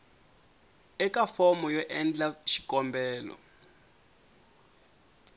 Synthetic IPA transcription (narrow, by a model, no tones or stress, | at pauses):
ɛkafɔmɔjɔʔɛnd͡ɮaʃi̥kɔmbɛːlɔ̰